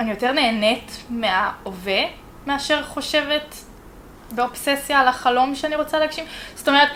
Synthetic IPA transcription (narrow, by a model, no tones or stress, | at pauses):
anijo̞te̞ʁne̞ːne̞tme̞aove̞ | meaʃe̞ʁχo̞ʃeve̞t | beo̞psesjalaχalo̞mʃeaniʁot͡saleaɡʃimz̥o̥to̞me̞et